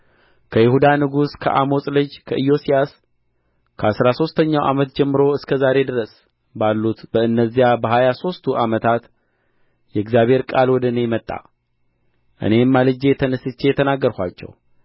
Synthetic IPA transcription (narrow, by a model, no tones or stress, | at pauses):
kʰəjɪhud̪anɨɡuskʰə̰ʔamo̞sʼlɨd͡ʒkʰəʔɨjo̞sijas | kʰəasɾaso̞st̪ʰəɲːawʔa̰mət̪̚d͡ʒɛmːɨɾo̞ɨskʰəzaɾe̞d̪ɨɾəs | balːut̪bəɨnːəzːijabəɦajaso̞st̪ʰuʔamət̪ʰat̪ | jɛɡzjaβe̞ɾkʼalwɔd̪ənemət̪ʼːa̰ | ʔɨ̰ne̞mːalɨd͡ʒe̞t̪ʰənəsɨt͡ʃːejɛt̪ʰənaɡːəɾhʷat͡ʃːɛ̰w